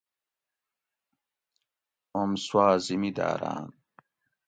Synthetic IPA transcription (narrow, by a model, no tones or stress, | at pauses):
omswaːzimid̪a̰ːɾa̰ːn